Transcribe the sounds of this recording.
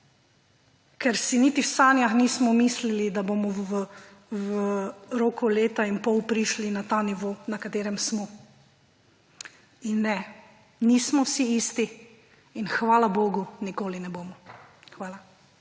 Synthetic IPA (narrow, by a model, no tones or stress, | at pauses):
kɛɾsinit̪iwsaːnjaxniːsmɔmislilid̪abomɔʋ | wəɾoːkuleːt̪ainpɔwpɾiʃlinat̪aːniʋoːnakat̪eːɾɛmsmɔ | inːɛ | niːsmɔwsiiːst̪iː | nxʋaːlaboːɡunikoːlinɛboːmɔ | xʋaːla